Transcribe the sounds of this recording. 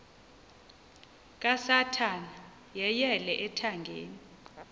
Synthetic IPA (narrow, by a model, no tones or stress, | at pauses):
kʼasatʰana | jɛjɛlɛʔɛtʰaŋɡʱḛːni